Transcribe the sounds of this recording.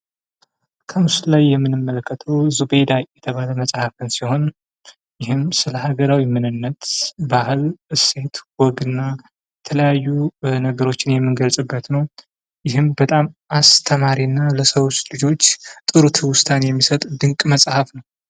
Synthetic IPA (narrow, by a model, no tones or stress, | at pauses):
kʰəmɨslajːɛmːɨnɨmːələkʰːət̪ʰəwzube̞d̪ajɛt̪ʰəβaləməsʼhafɨnsiho̞n | jɪhɨmsɨləhaɡəɾawimɨnɨnːət̪bahɨlɨse̞t̪wɔɡɨnːa | jɛt̪ʰələjajːunəɡəɾo̞t͡ʃːɪnjɛmːɨnɡəlsʼɨbːət̪nəw | jɪɦɨmbət̪ʼamʔast̪ʰəmaɾinːaləsəwot͡ʃːlɨd͡ʒo̞t͡ʃːt̪ʼɨɾut̪ʰɨwʊst̪ʰanjɛmːisət̪ʼd̪ɨŋkʼməsʼhafnəw